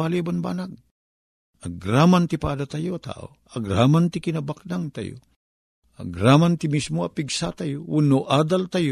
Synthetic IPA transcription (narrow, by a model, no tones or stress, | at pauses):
aliabanba̰ːnaɡ̚ | ɐɡɾamant̪ipad̪at̪ajot̪a̰ʔo̰ | ɐɡɾamant̪ikɪnabak̚naŋt̪a̰jo̰ | ɐ̰ɡɾamant̪imismoɐpiɡsat̪ajounoʔaːd̪alt̪aj